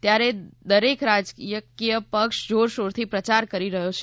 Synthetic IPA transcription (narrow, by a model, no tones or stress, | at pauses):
t̪jaɾed̪əɾekɾad͡ʒkijəkijəpəkʃd͡ʒoɾʃoɾt̪ʰipɾət͡ʃaɾkəɾiɾəɦjot͡ʃʰ